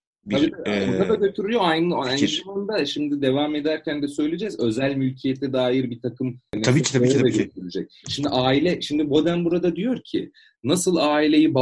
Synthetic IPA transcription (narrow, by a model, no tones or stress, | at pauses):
baionaaɟø̞t̪ʰyɾyjoajnɯaeniand̪aʃimd̪id̪e̞vame̞d̪æɾcʰænd̪ɛsø̞jlʲed͡ʒɛzø̞zælʲmylʲcʰijɛt̪ʰɛd̪aːjiɾbit̪ʰakʰɯmnʲʰiːiːɛɟøt̪ʰyɾyd͡ʒɛc̚ | ʃimd̪iʔaːilʲɛʃimd̪ibo̞d̪ænbuɾad̪ad̪ijo̞ɾcʰɪ̰ | nasɯlˠaːilʲe̞jiba